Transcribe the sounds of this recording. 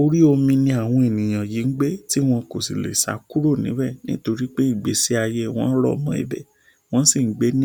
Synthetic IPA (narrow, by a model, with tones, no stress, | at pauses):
o˧ɾi˦o˧mĩ˧nĩ˧a˨w̃ɔ̃˧e˨nĩ˨j̃ã˨ji˨˦ŋ̩˦ɡ͡be˦ti˦w̃ɔ̃˧ko˨si˨lḛ˨sa̰˨˦ku˦ɾo˦˨nĩ˨˦bɛ˦˨nĩ˦to˧ɾi˦k͡pe˦i˦˨ɡ͡be˨˦se˦a˧je˦w̃ɔ̰̃˦lɔ̰˦˨mɔ̃˧ḭ˧˨bɛ̰˨ | w̃ɔ̃˦si˦˨ŋ̩˦ɡ͡be˨˦nĩ˦